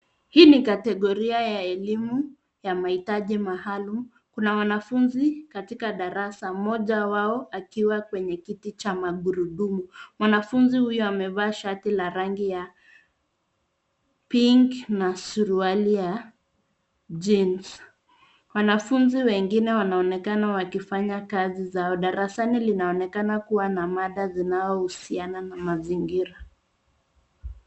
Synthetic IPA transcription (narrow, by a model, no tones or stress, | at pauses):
hiːnikatɛɠɔɾiajaɛlimu | jamahitaʄimahalum | kunawanafunzikatikaɗaɾasamɔʄawaɔʔakiwakwɛɲɛkitit͡ʃamaɠuɾuɗumumwanafunzihujɔamɛvaːʃatilaɾaŋɡija | piŋɡnasuɾualija | d͡ʒins | wanafunziwɛŋɡinɛwanaɔnɛkanawakifaɲakazizaɔɗaɾasanilinaɔnɛkanakuwanamaɗazinaɔhusiananamaziŋɡiɾa